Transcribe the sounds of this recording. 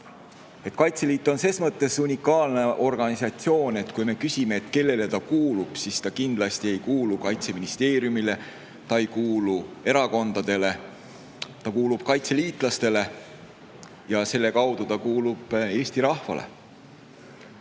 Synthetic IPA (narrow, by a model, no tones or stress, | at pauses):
e̞t̪ˑkɑjt̪se̞liːt̪ːˑo̞nse̞ːsmɤt̪ːe̞sunʲikːˑɑːlne̞ʔo̞rɡ̥ɑnʲisɑt̪sio̞ːne̞t̪kujme̞kysʲime̞ːt̪ke̞lːe̞let̪ɑkuːlub̥sist̪ɑkind̪lɑst̪ie̞jkuːlukɑjt̪se̞minist̪eːɾjumile̞ | t̪ɑejkuːlue̞ɾɑko̞nd̪̥ɑd̪̥e̞le̞ | t̪ɑkuːlub̥̚kɑjt̪se̞liːt̪ˑlɑst̪e̞le̞ | jɑse̞lːe̞kɑwd̪̥ut̪ɑkuːlub̥e̞ːsʲt̪iɾɑhfɑ̰lḛ